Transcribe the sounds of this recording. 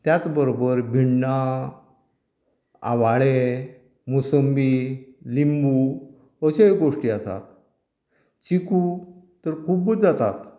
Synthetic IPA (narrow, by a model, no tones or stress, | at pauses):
t̪jat͡sbəɾobəɾbʱiɳːa | a̰ʋaɭe | musəmbilimbu | əɕejɡoʂʈiasa̰t̪̚ | t͡ɕiku | t̪əɾkʰubəd͡zat̪a̰t̪